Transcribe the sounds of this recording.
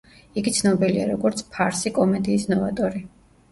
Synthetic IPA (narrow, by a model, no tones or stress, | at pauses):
iɡit̪sʰnɔbiliaɾɔɡɔɾt̪sʰpʰaɾsikʼɔmɛd̪iːsnɔvat̪ʼɔɾi